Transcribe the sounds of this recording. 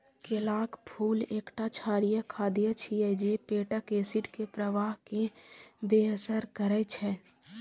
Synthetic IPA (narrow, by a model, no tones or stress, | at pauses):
kelaːkpʰuːleːkʈat͡ʃʰaːɾijəkʰad̪ijət͡ʃʰiəd͡ʒepeːʈəkeːsɪʈkepɾəʋaːɦkebeəsəɾkəɾɛt͡ʃʰɛ